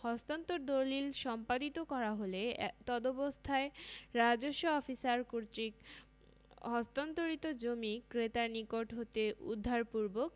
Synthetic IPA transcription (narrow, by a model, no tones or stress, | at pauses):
hɔst̪ant̪oɾd̪olilʃɔmpad̪it̪okɔɾaɦolet̪ɔd̪obost̪ʰaeɾad͡ʑoʃːoɔfisaɾkuɾt̪ɾik | ɦɔst̪ant̪oɾit̪od͡ʑomikɾet̪aɾnikoʈɦot̪eʔṵd̪ʱːaɾpuɾbok̚